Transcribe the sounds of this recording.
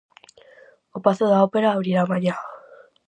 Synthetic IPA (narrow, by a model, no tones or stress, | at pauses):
opaθoðaopeɾaːɾiɾamaɲa